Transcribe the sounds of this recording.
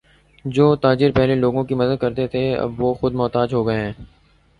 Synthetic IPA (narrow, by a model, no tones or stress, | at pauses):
d͡ʒoːt̪aːd͡ʒɪɾpɛɦleloːɡõkimɐd̪əd̪̚kɐɾt̪et̪ʰeɐ̰bʋoːxʊd̪mɔːt̪aːd͡ʒɦoɡɐeɦɛ̃ː